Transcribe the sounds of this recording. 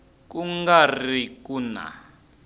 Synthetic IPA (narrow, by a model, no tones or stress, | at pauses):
kuŋɡarikuna̰